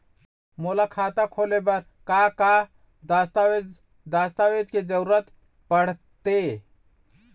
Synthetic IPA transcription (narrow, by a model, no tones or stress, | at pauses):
moːlakʰaːt̪akʰoːlebəɾ | kaka | ast̪ae | d̪aːst̪awed͡ʒked͡ʒəɾuɾət̪ | pəɽ̤t̪e